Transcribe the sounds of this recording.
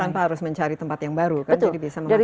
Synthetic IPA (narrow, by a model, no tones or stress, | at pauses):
anpaɦaɾʊsməɲt͡ʃaɾit̪əmpat̪jaŋbaɾukkanadibisaməd͡ʒai